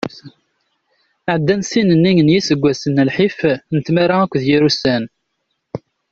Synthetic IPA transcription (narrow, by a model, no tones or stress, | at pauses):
ʕəd̪ːænsinənːijənjisəɡʷːæsənːəlħifnət̪mæɾaækʷːðjiɾusæn